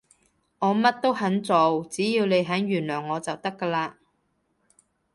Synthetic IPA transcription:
ŋɔː˨˧mɐ˥t̚t̪o˥whɐ˨˥nt͡so˨wt͡siː˨˥jiː˧wne˨˧jɦɐ˨˥njyː˨˩nlœː˨˩ŋːɔː˨˧t͡sɐ˨wt̪ɐ˥kːaː˧laː˧

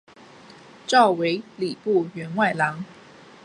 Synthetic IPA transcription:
ʈ͡ʂɑ˥˩ʊwe˧˥ɪli˨˩pu˥˨ɥɛ˧˥nwa˥˩ɪlɑ˧˥ŋ

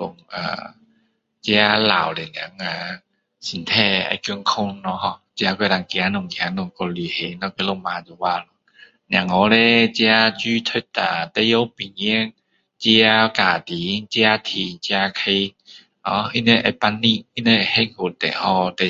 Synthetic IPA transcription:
lʊ˨˩ŋa̰˨˩ | t͡ɕja˦la̰˨˩wle˨˩nja˨˦ŋa˧ | si˨˩nt̪ʰɛ˧a̰˧kju˧ŋkʰʊ˥˧˩ŋnɔ˧ɦɔ˧˩t͡ɕja˧kwe˧˩la˨˧˩ŋkja˨˦nʊ˨˩ŋkja˨˦nʊ˨˩ŋkɔ˧ly˨˩he˨˦nɔ˧ke˧lo˧˩ŋmã˨˧˦zo˨˧˩wa˧lɔ˧ | nja˨˩ŋɔ˨˧˦le˧t͡ɕja˦t͡ɕy˦t̪ʰʊ˦˥t̪a˨t̪e˧˥jo˦wpi˨˩ŋi˧˥ŋ | t͡ɕji˧a˦ka˨˩t̪i˨˦t͡ɕja˦t̪ʰi˧t͡ɕja˧kʰe˧ | hɔ˧˦ʔi˦ne˧ʔa˧˩pa˧nːi˥˧˨i˦ne˧a˨˩he˦˥ho˧t̪ɛ̰˨˩hɔ˧˩t̪ɛ˨˩

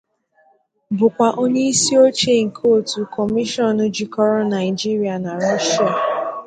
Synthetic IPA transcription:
bʊ˨kʷa˨ʔo˦ɲe˦i˦si˦o˦t͡ʃe˦˨ŋ̩˨kʰo˦˨tu˨kʰɔ˨mi˦ʃɔ˦˨nʊ̃˦d͡ʒi˦kɔ˦ɾɔ˦na˨ɪ˨d͡ʒi˦ɾi˦a˨na˨ɾɔ˦ʃa˨

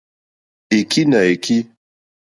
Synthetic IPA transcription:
e˨ki˦na˨e˨ki˦

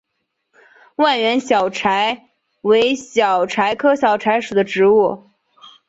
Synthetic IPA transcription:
wa˥˩nɥɛ˧˥nɕjɑ˨˩ʊʈ͡ʂʰa˧˥ɪ | we˧˥ɪɕjɑ˨˩ʊʈ͡ʂʰa˧˥ɪkʰɤ˥ɕjɑ˨˩ʊʈ͡ʂʰa˧˥ɪʂu˨˩d̪ə˦ʈ͡ʂɻ̩˧˥u˥˩

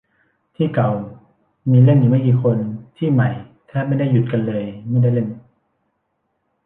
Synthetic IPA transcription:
t̪ʰiː˥˩ka˨˩w | miː˧le˥˩njiː˨˩ma˥˩jk̬iː˧kʰo˧nt̪ʰiː˥˩ma˨˧˩jt̪ʰɛː˦˥˩ma˥˩˨jda˥˩ju˨˩t̪̚ka˧nlɤː˧jma˥˩jda˥˩jle˥˩n

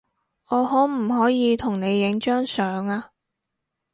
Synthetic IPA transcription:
ɔː˨˧hɔː˨˥m̩˨˩ɦɔː˨˥jiː˨˧t̪ʰʊ˨˩ŋne˨˧jːɪ˨˥ŋt͡ʃœː˥ŋsœː˨˧ŋaː˧

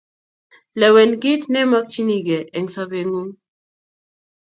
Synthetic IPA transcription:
lɛ˨wɛ˨nɡi˦t̪nɛ˦ma˦k̚t͡ʃi˦ni˨ɡɛ˨ʔɛ˨ŋsaβeŋu˦m

